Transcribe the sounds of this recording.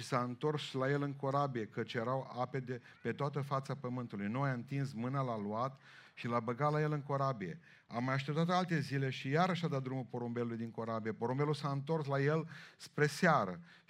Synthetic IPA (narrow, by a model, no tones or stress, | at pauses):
ʃisaɨnt̪o̞rslaje̞lɨŋko̞ɾabije̞kət͡ʃjeɾawape̞d̪e | pe̞t̪oat̪əfat̪sapəmɨnt̪ulujnojaɨnt̪insmɨnalaluat̪ | ʃilabəɡat̪laje̞lɨŋko̞ɾabie̞̰ | a̰majaʃt̪e̞p̚t̪at̪alt̪e̞zile̞ʃijaɾəʃad̪at̪̚d̪ɾumulpo̞ɾombe̞lulujd̪iŋko̞ɾabijepo̞ɾombe̞lusaɨnt̪o̞rslaje̞lspɾe̞seaɾə